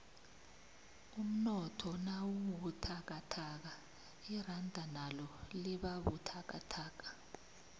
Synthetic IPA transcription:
um̩nɔtʰɔnawuwutʰak̬atʰak̬a | irandʱanalɔliɓaɓṵtʰak̬ʼa̰tʰaːk̬ḁ

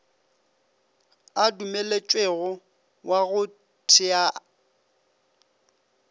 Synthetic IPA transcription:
adumelet͡ʃʼweɣʊ | wʔaɣʊ | tʰɪa

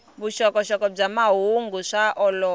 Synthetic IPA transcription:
βuʃɔkɔʃɔkɔb͡ʐamaɦuŋɡuʂaʔɔlɔ

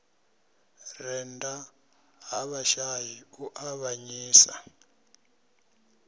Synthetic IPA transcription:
rɛnda | ɦaβaʃajiuʔaβaɲiːsa̰

